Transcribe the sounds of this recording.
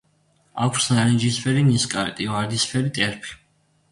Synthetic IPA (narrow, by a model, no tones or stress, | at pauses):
akʰɾ̥snanid͡ʒispʰɛliniskʼaɾɛt̪ʼivaɾd̪ispʰɛlit̪ʼɛɾpʰi̥